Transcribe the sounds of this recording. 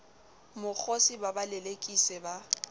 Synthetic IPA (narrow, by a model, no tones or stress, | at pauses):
mʊk͡xʰosibabalɛlekʼisɛba